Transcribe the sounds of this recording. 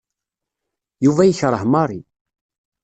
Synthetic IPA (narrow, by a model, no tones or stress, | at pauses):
juvæjəçɾˤəhmɑɾˤi